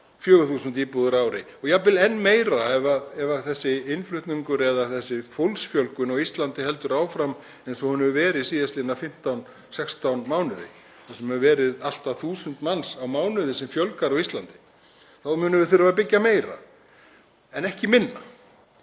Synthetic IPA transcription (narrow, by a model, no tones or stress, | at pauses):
fjœːɣʏθuːsʏnt̪iːpuðʏɾaːwɾɪ | ɔɣjapɪlɛnːmeːjɾaɛvaɛvaθɛsːɪɪnflʏht̪niŋkʏɾɛðaθɛsːɪfowlsfjœlkʏnɔɣist̪lant̪ɪɦɛl̪t̪ʏɾaːwfɾam | ɛnsɔhʏnːhɛvvɛːɾɪsiːðast̪lɪnːafɪm̥t̪awn | sɛkst̪awnmaːwnʏðɪ̰ | θasɛmɛvɛːɾɪðal̥t̪aθuːsʏnt̪mansawmaːwnʏðɪsɛmfjœlkaɾawist̪lant̪ɪ̥ | θaðmʏːnʏvɪ̥θɪɾvaɾapɪcːameːjɾa̰ | ɛnɛhcɪmɪnːa